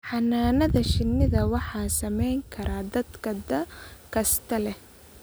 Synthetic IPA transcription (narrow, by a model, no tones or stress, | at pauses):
ħɑnːaːnɐðɐʃɪnːɪðɐwɑħɑːsɐmɛjŋkʰɐɾʔaːd̪ɐd̪kʰɐd̪ɐkʰɐst̪ʰɐlɛ